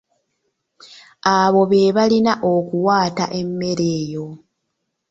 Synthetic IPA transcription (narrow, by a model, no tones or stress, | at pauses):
aβo̞βe̞ːβalinaʔo̞kuwaːta̰ʔe̞mːe̞ɾe̞ːjo̞